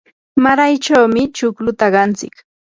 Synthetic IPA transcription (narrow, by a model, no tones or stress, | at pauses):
maɾajt͡ʃawmɪt͡ʃʊklʊt̪aɢɑnt͡sɪ̰k